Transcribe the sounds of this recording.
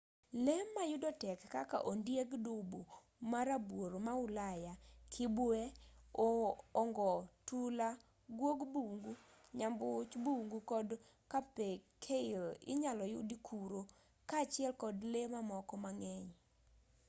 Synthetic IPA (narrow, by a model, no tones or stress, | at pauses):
lemːajʊdɔtɛkːaka̰ʔondjeɡdʊbu | maɾabwoɾomaʊlajakʰɪbweoːŋɡɔtula | ɡwoɡbuŋɡuɲambʊt͡ʃbuŋɡukɔdkapekʰeɪlɪ̰ɲalɔjʊ̰dikʰuɾo | kaːt͡ʃɪɛlkɔdlemamɔkɔmaŋɛɲ